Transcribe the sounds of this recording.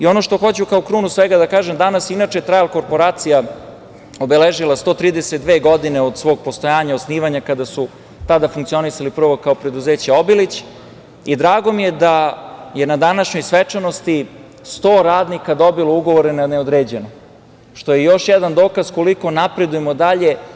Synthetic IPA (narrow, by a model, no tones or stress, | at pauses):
io̞no̞ʃt̪o̞xo̞t͡ɕukaokɾuːnusʋeɡad̪akaːʒemd̪anasinaːt͡ʃejt̪ɾajlˠko̞ɾpo̞ɾaːt̪sija | o̞beleʒilˠast̪o̞ːt̪ɾiːd̪eset̪̚d̪ʋeːɡo̞d̪ineod̪sʋo̞ːɡ̚post̪o̞jaːɲaosniːʋaɲakad̪asu | t̪ad̪afuŋkt̪io̞nisalipr̩ʋo̞kaopɾe̞d̪uze̞ːt͡ɕeo̞bilit͡ɕ | id̪ɾaːɡo̞mije̞d̪aje̞nad̪anaʃɲo̞jsʋet͡ʂano̞st̪i | st̪o̞ːɾaːd̪nikad̪o̞bilˠouɡo̞ʋo̞ɾenaneod̪ɾeːd͡ʑe̞no | ʃt̪ojejo̞ʃjɛd̪and̪o̞ːkazko̞liko̞napɾe̞d̪ujemo̞d̪aʎe̞